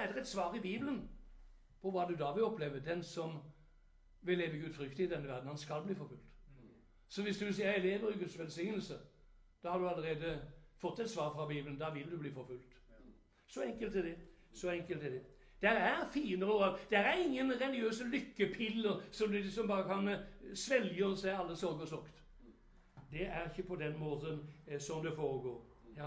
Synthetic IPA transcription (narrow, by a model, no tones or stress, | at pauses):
æd̪əʁɛt̪sʋɑːɾɪbiːblən | pʰɔʋɑːd̪ʉd̪ɑːʋɪlɔpleːʋəd̪ɛnsɔm | ʋɪlːeːʋəɡʉːd̪fɾʏkt̪əɪd̪ɛnːəʋæʁd̪n̩hɑnskɑlbliːfɔɾfʉlt̪ | sɔʋɪsd̪ʉɪsiːɪleːʋəɾɪɡʉt̪sʋɛlsɪŋnəlsə | d̪̥ɑhɑʁd̪ʉɑləɾeːd̪əfɔt̪ːɛt̪sʋɑːɾfɾɑbiːblənd̪ɑʋɪld̪ʉbliːfɔɾfʉlt̪ | sɔɛŋkəlt̪ːɪld̪ɛ | sɔɛŋkəlt̪ːɪld̪ɛ | d̪̥ɛɾæɾfiːənəɾoʁɑd̪̥ɛæɾæɾɪŋːənɾɛlɪøːsəlʏkːəpʰɪlːəɾsɔmd̪ʉlɪksɔmbɑːɾəkɑnsʋɛljønəsæɪɑlːəsɔɾɡəsɔʁkt̪ | d̪ɛæʁɪçəpʰɔd̪ɛnmoːt̪ənsɔmd̪ɛfoːɾəɡoːɾ